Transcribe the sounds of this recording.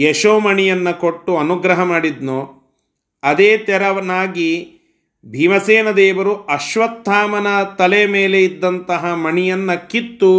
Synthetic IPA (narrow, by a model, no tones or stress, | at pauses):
jeʃoːmɐɳijɐnːɐko̞ʈːuɐnuɡɾɐɦɐmaːɽid̪nuː | ɐd̪eːt̪ɛɾɐʋɐnaːɡi | bʱiʋɐseːnɐd̪ɛːʋɐɾuɐʃʋɐt̪ːaːmɐnɐt̪ɐlemeːleid̪ːɐnt̪ɐɦɐmɐɳijɐnːɐkit̪ːu